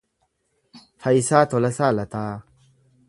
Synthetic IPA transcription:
hɐjsaːt̪olɐsaːlɐt̪aː

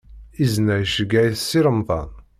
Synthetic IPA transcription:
iznæjʃəɡæjθsːiɾəmðˤɑ̰n

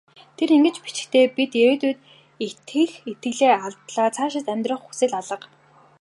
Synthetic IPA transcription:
t̪ʰeɾiŋɡɘ̆t͡ɕpi̥t͡ɕɪ̥̆kt̪ʰeːpit̪jeɾeːt̪uːt̪ | et̪xɘ̆xet̪ɡɘ̆ɮeːaɮt̪ɮaːt͡sʰaːʃɪ̆t̪æmʲt̪rə̆χxu̥sĕːɮaɮə̆q

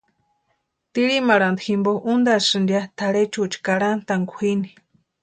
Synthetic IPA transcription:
t̪iɾimaɾand̪ximboʔund̪asɨnd̪jat̪ʰaɽet͡ʃut͡ʃi̥kaɽant̪aŋɡʷuhini̥

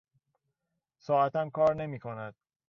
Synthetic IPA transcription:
sɒːæt̪ʰæmkʰɒːɾne̞miːkʰonæd̪̥

